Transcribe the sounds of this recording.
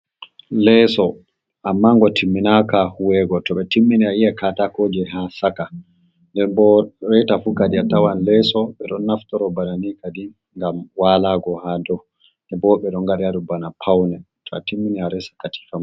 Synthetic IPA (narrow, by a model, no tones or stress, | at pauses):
lɛsɔ | ʔamːaːŋɡɔtʰimːinakahuwɛɡɔtɔɓɛtimːiniaijɛkatakod͡ʒɛɦasaka | ndɛbɔɾɛjtafukadiatawanlɛsɔɓɛɗɔnːaftɔɾɔbananikadi | ŋɡamwalaɡɔhadɔ | ɛbɔɓɛɗɔŋɡaɾadubanapʰawnɛ | tʰɔa̰timːiniaɾɛsḁkati̥fam